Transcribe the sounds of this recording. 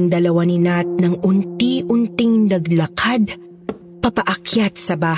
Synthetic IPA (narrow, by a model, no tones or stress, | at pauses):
ŋd̪ɐlɐwanɪnat̪̚nɐŋʔʊnt̪iʔʊnt̪ɪŋnɐɡlɐkʰad̪̚ | pɐpɐʔɐkjat̪̚sɐbaː